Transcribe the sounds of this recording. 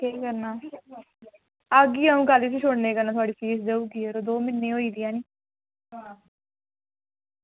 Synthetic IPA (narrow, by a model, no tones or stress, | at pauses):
kiːkəɾnaː | əɡiːaũːkaliːsiːʃʰoɽneːkəɾnaːt̪ʊaːɖiːfiːsd̪eːuːɡiːeɾoːd̪oːmɪnːẽːɦoːiːd̪ɪjãːniː | ɦa